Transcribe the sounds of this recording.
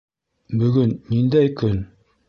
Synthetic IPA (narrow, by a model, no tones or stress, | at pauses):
bɵ̆ɡɵnːind̪æjkɵn